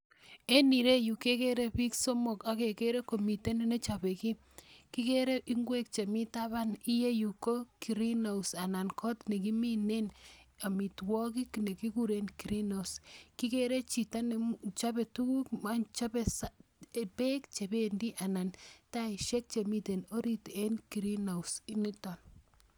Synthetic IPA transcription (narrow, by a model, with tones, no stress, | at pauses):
e˦ni˨ɾe˦ju˨ke˦ke˦ɾe˦pi˦kso˦mo˨ka˦ke˨ke˦ɾe˦ko˨mi˨te˦ne˦ne˦t͡ʃa˨be˨ki˦ | ki˦ke˦ɾe˦i˦ŋɡwe˦k̚t͡ʃe˨mi˦ta˦βa˦ni˦je˦ju˨ko˦ki˨ɾi˦no˨usa˨na˨nkʰɔ˦tne˨ki˦mine˦na˨mi˨twɔ˦ki˦kne˨ki˦ku˦ɾe˦nki˨ɾi˦no˨uski˦keɾe˦t͡ʃi˨ta˦nt͡ʃa˦pe˨tu˦ku˦kma˦nt͡ʃapesaepe˦kt͡ʃe˨bendi˦ʔa˨na˨ntai˨ʃe˦k̚t͡ʃe˨mi˦te˨no˦ɾi˦te˦nki˨ɾi˦na˨wsi˦ni˦tɔ˨n